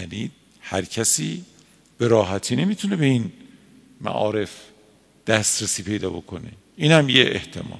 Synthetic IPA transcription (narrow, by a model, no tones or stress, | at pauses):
æniːd̪̚ | hæɾcʰæsiː | b̥eɾɒːɦæt̪ʰiːne̞mit̪ʰune̞be̞in | mæ̰ʔɒ̰ːɾe̞f | d̪̥æst̪ɾesiːpʰe̞jd̪ɒːbo̞kʰo̞nḛ | iːnhæmjeʔḛht̪ʰḛmɒ̰ː